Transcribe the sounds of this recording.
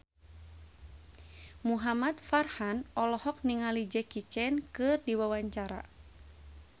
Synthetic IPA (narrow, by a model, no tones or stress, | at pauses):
muɦamat̪farhanɔlɔhɔk̚niŋalid͡ʒɛkit͡ʃɛnkɨrdiwawaɲt͡ʃaɾa̰